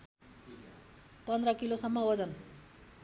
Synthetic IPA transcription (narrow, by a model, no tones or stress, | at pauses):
pʌnd̪rʌkilosʌmːʌʌd͡zʌn